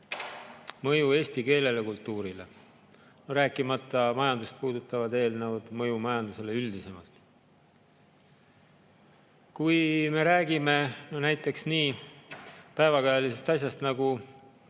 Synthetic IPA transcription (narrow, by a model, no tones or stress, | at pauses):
mɤ̞jue̞ːsʲt̪ike̞ːle̞lekult̪ːuːɾile̞̰ | ɾæːkːˑimɑt̪ˑːɑmɑjɑnd̪ust̪̚puːd̪̥ut̪ːˑɑvɑd̪e̞ːlnɤwd̪̥mɤjumɑjɑnd̪use̞le̞yld̪̥ise̞mɑ̰lt̪ˑ | kujme̞ɾæːɡime̞nonæjt̪ːˑe̞ksniː | pæe̞vɑkɑjɑlise̞st̪ɑsʲjɑst̪nɑɡu